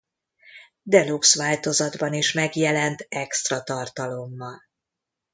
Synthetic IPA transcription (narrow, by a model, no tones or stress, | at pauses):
d̪ɛluksʋaːlt̪o̞zɒd̪bɒniʃmɛɡjɛlɛnt̪ɛkst̪rɒt̪ɒrt̪ɒlo̞mːɒl